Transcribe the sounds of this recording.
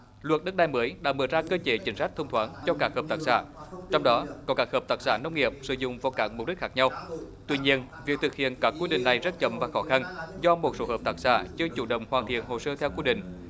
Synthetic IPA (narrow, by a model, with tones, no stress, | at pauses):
lwə˨˩t̚ɗə˦˥k̚ɗaː˧jməː˨˦jɗa̰ː˧˥mɨː˧˩əzaː˧kəː˧t͡ɕe˨˦t͡ɕï˨˦ŋ̟sa˦˥jk̚t̪ʰə˧wŋ͡mt̪ʰwaː˨˦nt͡ɕɔ˧kaː˦˥k̚həː˨˩p̚t̪aː˦˥k̚sa̰ː˧˨t͡ɕɔ˧wŋ͡mɗɔ˨˦kɔ˨˦kaː˦˥k̚həː˨˩p̚t̪aː˨˥k̚saː˧˩nə˧wŋ͡mŋi˨˩əp̚sɨ̰˧˩zʊ̰˧˨ŋ͡mvɔ˨˧˩kaː˧˩km˨˩p̚ɗi˦˥k̚xaː˦˥k̚ɲa˧w | t̪wi˧ɲi˧ənvi˨˩ək̚t̪ʰɨ˨˩k̚hḭ˧˨ənkaː˦˥kːwi˧ɗḭ˧˨ŋ̟na˨˩jzə˦˥t̚t͡ɕə˧˩mvaː˨˩xɔ˨˦xa˧nzɔ˧mo˨˩t̚so˨˦həː˨˩p̚t̪aː˦˥k̚sa̰ː˧˩t͡ɕɨ˧ət͡ɕu˧˩ɗə̰˧˨wŋ͡mhwaː˨˩nt̪ʰḭ˧˨ənho˨˩səː˧t̪ʰɛ˧wkwi˧ɗḭ̈˧˨ŋ̟